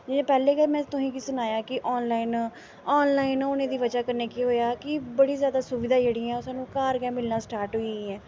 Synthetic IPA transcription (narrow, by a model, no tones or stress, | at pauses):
d͡ʒẽpɛːleːɡɛmɛ̃ːt̪ʊsĩːkisʊnaːjaːkɪʔɔːnlaːɪn | ɔːnlaːɪnʊnẽːd̪iːʋəd͡ʒaːkəɾneːkiːɦoːjaːkɪbəɽiːzjaːd̪aːsʊʋɪd̪aːd͡ʒeːɽiːɛ̃ːʊsãːnũːkaːɾɡɛːmɪlnaːsʈaːɾʈɦoiɛː